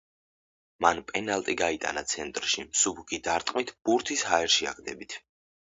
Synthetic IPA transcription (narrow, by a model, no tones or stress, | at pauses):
manpʼɛnalˠt̪ʼiɡait̪ʼa̰nat̪sʰɛnt̪ʼɾʃimsubɡid̪aɾt̪ʼmit̪ʰb̥uɾt̪ʰishaɛɾʃiaɡd̪ɛbit̪ʰ